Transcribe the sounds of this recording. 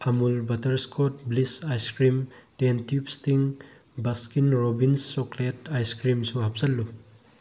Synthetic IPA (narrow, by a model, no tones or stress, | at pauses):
ɐmulbɐtɐɾskʰot̚blisajskɾimtentupstiŋ | bɐskinɾobinsokletajskɾimsuhɐp̚sɐlːu